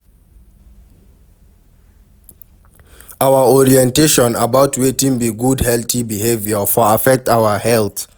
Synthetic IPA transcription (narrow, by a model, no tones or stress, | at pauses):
awaɔɹiɛ̃nteʃɔ̃nabawtʰwetĩŋbiɡudhɛltibihevjafɔafɛk̚tawahɛlθ